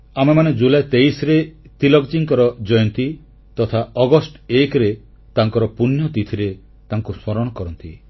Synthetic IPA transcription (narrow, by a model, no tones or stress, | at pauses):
amemaned͡ʒulajt̪ejsɾet̪ilɔɡd͡ʒiŋkɔɾɔd͡ʒɔjɔnt̪i | t̪ɔt̪ʰaɔɡɔsʈekɾe | t̪aŋkɔɾɔpunjɔt̪it̪ʰiɾe | t̪aŋkusmɔɾɔɽ̃ɔkɔɾɔnt̪ḭ